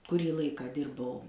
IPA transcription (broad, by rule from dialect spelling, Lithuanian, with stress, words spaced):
kʊˈrʲiː ˈlˠɐɪkɑː ˈdʲɪrbɐʊ